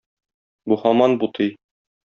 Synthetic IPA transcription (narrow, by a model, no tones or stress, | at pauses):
buhɒmɑnbut̪ʰɤj